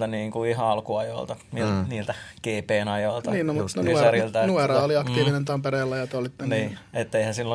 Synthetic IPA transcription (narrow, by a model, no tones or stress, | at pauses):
t̪æniːŋkuihɑɑlkuɑjo̰ilt̪ɑniniːlt̪ækeːpeːnɑjoilt̪ɑniːnnomut̪nonuerilt̪ænuerɑoliɑkt̪iːʋinent̪ɑmpereːlːɑjɑt̪olit̪ːeniːet̪ːeihæ̃silːo